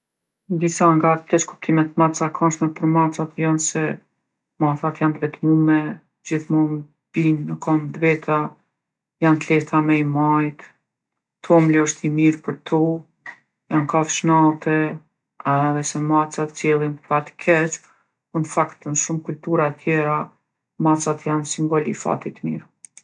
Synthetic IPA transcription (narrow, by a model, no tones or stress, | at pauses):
d̪isaŋɡakɛt͡ʃku̥p̚t̪ʰimɛt̪mat͡sakʰanʃmɛpəɾmat͡sat̪jɔnsɛ | maθat̪jand̪vɛt̪mumɛ | d͡ʑiθmɔm | binːəkɔmd̪vɛt̪ʰa | jant̪lɛft̪amɛimajt̪ | t̪ʰɔmlɔʃt̪imiɾpəɾt̪ʰɔ | jankafʃnat̪ɛ | ðɛsɛmat͡sat̪t͡sjɛlˠinppat̪kʰɛt͡ʃ | unfakt̪ənʃumkult̪uɾat̪ʰjɛɾa | mat͡sat̪jansiŋɡɔlḭfa̰t̪it̪mḭɾ